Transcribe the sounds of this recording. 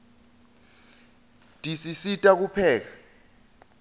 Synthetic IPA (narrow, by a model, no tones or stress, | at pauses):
tʼisisitʼak̬upʰɛːk̬ḁ